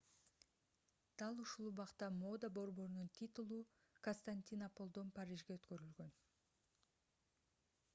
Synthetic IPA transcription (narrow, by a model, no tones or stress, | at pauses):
d̪̥ɑlˠuʃulˠuβɑqt̪ɑmo̞d̪abo̞ɾbo̞ɾununt̪ʰʲit̪ulˠu | konst̪anʲt̪ʲinapo̞lˠd̪o̞npaɾʲiʒɡeøt̪kø̞ɾylɡø̞n